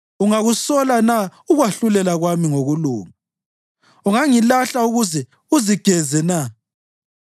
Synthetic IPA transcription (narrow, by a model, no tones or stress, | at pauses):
uŋaɣusɔlanauɣwaɬulɛlaɣwamiŋoɣulṵːma | uŋaŋilaɬauɣuzɛ | uziɡ̥ʱɛzɛna